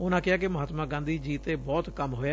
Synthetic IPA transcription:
ʊnãːkɪaːkɪməɦaːt̪mãːɡãːnd̪iːd͡ʒiːt̪eːbɔːt̪kəmɦoːjaː

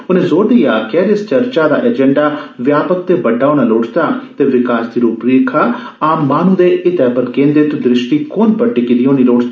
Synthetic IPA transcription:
ʊnẽːzoːɾd̪ijaːkɛːɾɪst͡ʃəɾt͡ʃaːd̪a̰ːʔɛd͡ʒɛ̃ɳɖaːʋjaːpək̚t̪eːbəʈːaːuɽ̃aːloːʈʰt̪aːt̪eːʋɪkaːsd̪iːɾuːpɾiːkʰaː | aːmːaːnũːd̪eːʔɪt̪ɛːpəɾkẽːnd̪et̪ud̪ɾɪʃʈiːkoːnpəɖiːkɪd̪iːõːniːloːʈt̪a

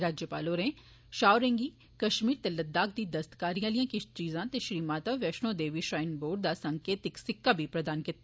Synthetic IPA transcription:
ɾaːd͡ʒjəpaːloːɾẽ | ʃaːʊɾẽŋɡiː | kɐʃmiːɾt̪elɐd̪ːaːk̚d̪iːd̪ɐst̪kaːɾijãːlijãːkɪt͡ʃiːzãːt̪eʃɾiːmaːt̪əʋɛʃnõːd̪eːʋiʃɾaːɪnboːɖ̚d̪aːsɐŋkeːt̪ɪksɪkːabʱipɾɐd̪aːnkɪt̪ː

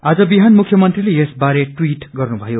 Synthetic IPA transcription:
ad͡zʌbiɦanmukʰjʌmʌnt̪rilejesbaɾeʈwiʈɡʌrnubʱʌjo

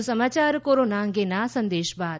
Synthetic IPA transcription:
sɐmaːt͡ʃaːɾkoːɾoːnaːŋɡenaːsɐ̃nd̪eːʃbaː

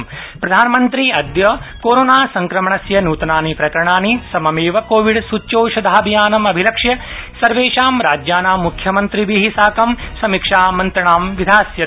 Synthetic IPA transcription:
pɾɐd̪ʱaːnɐmɐnt̪ɾiɐd̪jɐkoːɾoːnaːsɐŋkɾɐmɐɳɐsjɐnuːt̪naːnipɾɐkɐɾɐɳaːnisɐmɐmeːʋɐkoːʋiɽsutːt͡ʃoːʃɐd̪ʱaːbʱijaːnɐmɐbʱilɐkʂjɐsɐɾʋeːʃaːmɾaːd͡ʒjaːnaːmːukʰjɐmɐnt̪ɾibiɦisaːkɐmsɐmikʂaːmɐnt̪ɾɐɳaːmʋid̪ʱaːsjɐ

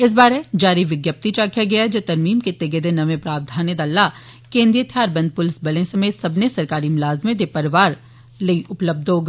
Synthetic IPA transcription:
ɪs̬baːɾed͡ʒaːɾiʋɪɡjəp̚t̪it͡ʃaːkʰjaɡɐjad͡ʒɐt̪ɐɾmiːmket̪eɡed̪enɐʋẽpɾaːp̚d̪ʱaːnjed̪aːlːa | kẽːnd̪ɾijət̪ʰijaːɾbɐ̃nd̪̚pʊlɪsbɐlẽsɐmeːt̪sɐbʱnesɐɾkaːɾimɪlaːzmẽd̪epɐɾɪʋaːɾ | lɐiʔʊpləb̚d̪ʱɦoːɡ

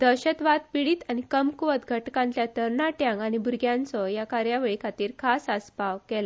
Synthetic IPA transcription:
d̪̥əɕət̪ʋat̪̚piɽiːt̪añikəmkuʋət̪ɡʱəʈkãnt̪jat̪əɾnaʈjãŋɡañibuɾɡjãnt͡sɔjakaɾjaʋeɭikʰat̪iːɾkʰasəspaʋkɛla

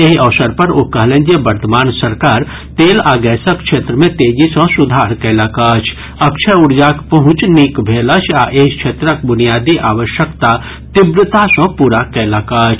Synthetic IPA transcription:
eɦiʔɐʋsəɾpɐɾokɐɦlẽnd͡ʒebɐɾt̪əmaːnsɐɾkaːɾ | t̪eːlaːɡɛːsɐkʃʰeːt̪ɾəmẽt̪eːd͡ʒisɔ̃sʊd̪ʱaːɾkɛːlakaːt͡ʃʰ | ɐkt͡ʃʰɛʊɽd͡ʒaːkpɐɦʊ̃t͡ʃnikbʱeːlɐt͡ʃʰaʔeɦikʃʰeːt̪ɾək̚bʊnijaːd̪iʔaːʋəʃjəkt̪a | t̪ibɾɪt̪asɔ̃puːɾakɛːlakaːt͡ʃʰ

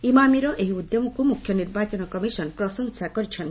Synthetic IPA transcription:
imamiɾɔʔeɦiud̪jomukumukʰːjɔniɾbat͡ʃɔnɔkɔmisɔnpɾɔsɔŋsakɔɾit͡ʃʰɔn

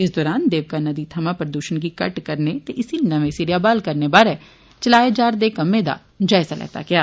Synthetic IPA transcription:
ɪs̬d̪ɔːɾaːnd̪eːʋkaːnəd̪iːt̪ʰəmãːpɾəd̪uːʃənkiːkəʈkəɾneːt̪eːʔɪsinəʋẽsiɾɪjaːbaːlkəɾneːbaːɾɛː | t͡ʃəlaːed͡ʒaːɾd̪eːkəmẽːd̪a̰ː | d͡ʒaːɪzalɛ̰ːt̪a̰ːɡɪjaː

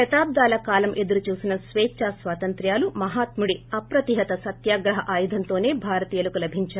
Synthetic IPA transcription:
ɐt̪aːb̚d̪aːlɐkaːlɐmʔe̞d̪uɾut͡ʃuːsinɐsʋeːt͡ʃaːsʋaːt̪ɐnt̪ɾjaːlumɐɦaːt̪muɽiɐpɾɐt̪iɦɐt̪ɐsɐt̪jaːɡɾɐɦɐʔaːjud̪ʱɐnt̪o̞ːne̞ːbʱaːɾɐt̪iːjɐlukulɐbʱiɲt͡ʃaː

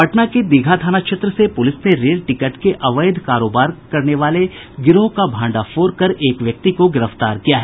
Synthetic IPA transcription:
ɐʈnaked̪ɪɡʱad̪ʱaːnaʃɪt̪ɾəsepʊlɪsneɾeːlʈɪkəʈkeʔɐʋəɪd̪ʱkaːɾoːbaːɾkɐɾneʋaːle | ɡɪɾõkabʱãːɳɖafoːɾkɐɾeːkʋjɐk̚t̪ikoɡɪɾəft̪aːɾkijaɦɛː

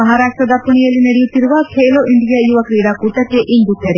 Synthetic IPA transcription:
ɐɦaːɾaːʂʈɾɐd̪apunijɐlinɐɽijut̪iɾuʋakʰeːloɪɳɖijajuʋɐkɾiːɽakuʈɐkeʔɪnd̪ut̪ɐɾe

